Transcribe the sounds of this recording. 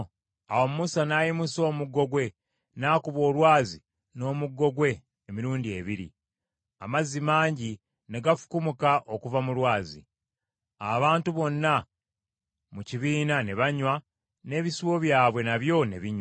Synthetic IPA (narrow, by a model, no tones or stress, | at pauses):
awo̞mumusanaːjimuso̞ːmuɡːo̞ɡwe̞ | naːkuβo̞ːlwaːzi | no̞ːmuɡːo̞ɡwe̞ː | miɾuːndie̞βiɾḭ | a̰mazːimaːɲɟi | ne̞ɡafu̥kumukaʔokuvamulwaːzḭ | aβaːntuβo̞nːa | muciβiːnaneβaɲwa | ne̞ːβisiwo̞βjaːβwe̞naβjo̞ne̞̰βiɲ